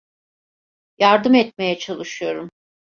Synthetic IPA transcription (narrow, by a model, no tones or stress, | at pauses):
jaɾd̪ɯmɛt̪̚me̞jɛt͡ʃʰalˠɯʃɯjo̞ɾum